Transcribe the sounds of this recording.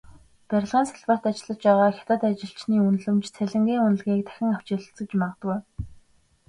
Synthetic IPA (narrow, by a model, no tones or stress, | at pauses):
pæɾʲɪ̆ɮʁiːnsaɮpḁt̪at͡ɕɪ̆ɮə̆t͡ɕpæːʁaːxʲḁt̪ə̆t̪at͡ɕɪ̆ɬt͡ɕniːun̆ɮɵ̆mt͡ɕt͡sʰæɮʲɪ̆ŋɡʲiːŋunɘ̆ɮɣʲiːk̚t̪ʰæ̥xʲɪ̆ŋaw̥t͡ɕɪ̆ɮ̆t͡sɘ̆t͡ɕmaʁə̆t̪ɡuj